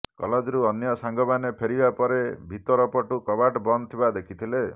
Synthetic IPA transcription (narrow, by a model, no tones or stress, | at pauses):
kɔ̰lɔd͡ʒɾuɔnjɔsaŋɡɔbanepʰeɾibapɔɾebʱit̪ɔɾɔpɔʈukɔbaʈbɔnt̪ʰibad̪ekʰit̪ʰile